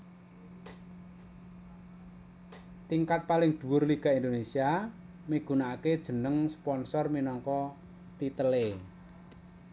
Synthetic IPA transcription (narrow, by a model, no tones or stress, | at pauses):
t̪iŋkat̪̚palɪŋd̪̥ṳwʊrliɡ̥a̤ind̪onesia | miɡ̥ṳnaːked̥ʒ̥ə̤nəŋspɔnsɔrminɔŋkɔ | t̪it̪əle